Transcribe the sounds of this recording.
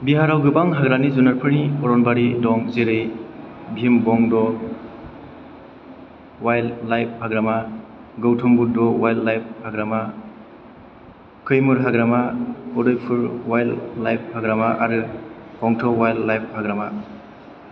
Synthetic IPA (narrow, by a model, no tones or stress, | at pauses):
biɦaɾawɡɯbaŋɦaɡɾanizunaɾpʰɯɾniɔɾɔnbaɾidɔŋzeɾɯjbʱimbɔŋdɔ | wajlːajp̚haɡɾama | ɡɯwtʰɔŋbuɾ̚dɔwajlːajp̚haɡɾama | kʰɯjmɯɾɦaɡɾamaɔdɔjpʰɯɾwajlːajp̚haɡɾamaʔaɾɯ | hʰɔŋtʰɔwajlːajp̚haɡɾama